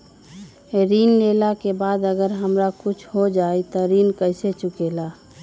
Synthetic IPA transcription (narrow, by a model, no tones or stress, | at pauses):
eɾiːnleːlakebaːd̪əɡəɾɦəmɾakʊt͡ʃʰɦod͡ʒaːit̪ɔɾiːnkəɪset͡ʃʊkelaː